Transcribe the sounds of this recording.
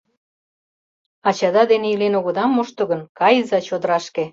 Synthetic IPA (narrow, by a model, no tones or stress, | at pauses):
ɑt͡ɕɑd̪ɑd̪eneilenoɣɤ̆d̪ɑmːoʃt̪ɤ̆ɣə̆nkɑjzɑt͡ɕod̪əɾɑʃkĕ